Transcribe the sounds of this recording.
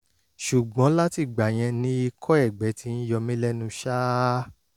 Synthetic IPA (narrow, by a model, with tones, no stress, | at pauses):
ʃu˨ɡ͡bɔ̃˨˦la˦ti˧˨ɡ͡ba˨j̃ɛ̃˧nĩ˦i˧kʰɔ˦ɛ˦˨ɡ͡bɛ˨˦ti˦n̩˦jɔ˧mĩ˦lɛ˦nũ˧ʃaː˦